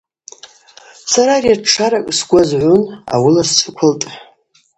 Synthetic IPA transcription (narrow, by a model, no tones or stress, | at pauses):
saɾariaʈ͡ʂʰaɾakʼsɡʷazʕʷʊna̰wilast͡sʰʼɨkʷʰaltʼħ